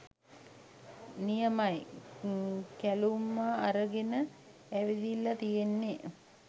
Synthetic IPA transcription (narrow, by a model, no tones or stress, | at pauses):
nijəmaj | kælumːaːɾəɡenə | æʋid̪ilːat̪ijenːe